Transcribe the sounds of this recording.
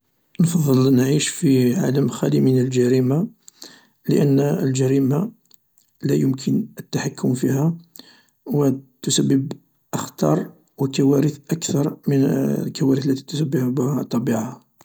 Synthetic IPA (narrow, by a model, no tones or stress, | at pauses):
nfɑðˤːəlnʕiʃfiʕa̰ləmxælimənəlʒæɾima | lə̰ʔənːəlʒæɾima | læjʊmkʰənət̪ːaħakːʊmfihæ | wət̪ʊsæbːəb | ʔəxt̪ɑɾˤ | wəkæwæɾəθʔækθɑɾˤmənlkæwæɾəθlːæt̪i̥t̪ʊsəbːəħbhæt̪ˤːɑbiʕaha